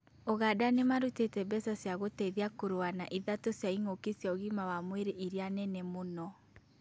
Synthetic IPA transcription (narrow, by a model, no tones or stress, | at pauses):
oɣadanemaɾutetɛbɛsasjaɣotɛðiakoɾoanaʔiðatosjaiŋokesjaoɣimawamweɾeʔiɾianɛnɛmonɔ